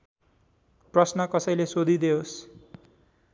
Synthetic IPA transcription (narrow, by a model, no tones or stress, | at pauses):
prʌsnʌkʌsʌjlesod̪ʱid̪eos